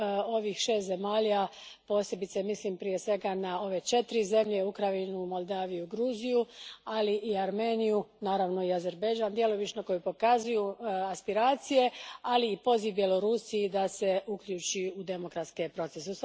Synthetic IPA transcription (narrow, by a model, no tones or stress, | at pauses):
o̞ʋiːxʃe̞ːst̪ze̞maːʎa | po̞ːse̞bit̪semislimpɾije̞sʋe̞ɡanao̞ʋe̞t͡ʃe̞t̪ɾize̞mʎe̞ukɾainumo̞lˠd̪aːʋijuɡɾuːzijualiʔiaɾmeːnijunaːɾaʋno̞iazeɾbe̞d͡ʒaːnd̪jeloʋit͡ʃnoko̞jupo̞kazujuaspiɾaːt̪sije̞aliːpo̞ziʋbjelo̞ɾusiid̪ase̞ʔukʎuːt͡ʃiud̪e̞mo̞kɾat̪skepɾo̞t̪seses